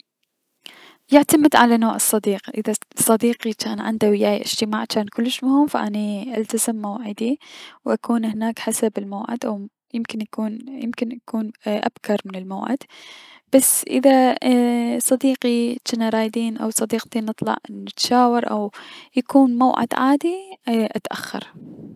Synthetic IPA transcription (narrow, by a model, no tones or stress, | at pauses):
jɪʕt̪amɪd̪ʕalanoːʕɨsˤːɑd̪iːqʔɪðasˤːɑd̪iːqit͡ʃaːnʕɪ̰nd̪awɪjaːja̰ʔɪd͡ʒ̥t̪ɪmaːʕt͡ʃaːnkʊlːɪʃmʊhɪmfaʔaniʔalt̪azɪmːawʕɪd̪iwʔakʰuːnhɪnaːkħasabɪlmawʕɪ̰d̪ʔaw | jɪmkɪnjakuːnjɪ̰mkɪnʔakuːnʔa̰b̥kɑɾˤmɪnɪlmawʕɪ̰d̪b̥asːʔɪ̰ða | sˤɑd̪iːqit͡ʃanaɾˤɑːjd̪iːnʔawsˤɑd̪iːqt̪inɨt̪ˤlɑ̰ʕnɪt̪ʃaːwɑɾˤʔawjakuːnmawʕɪ̰d̪̥ʕaːd̪iʔat̪ʔa̰xːɑ̰ɾˤ